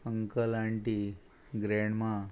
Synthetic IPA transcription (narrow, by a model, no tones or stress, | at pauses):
əŋkəlaɳʈi | ɡɾeɳma